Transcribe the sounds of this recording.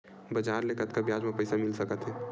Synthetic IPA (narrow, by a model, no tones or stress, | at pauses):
bəd͡ʒaːɾlekət̪kabjaːd͡ʒmãpəɪsamɪlsəkət̪ɦɛː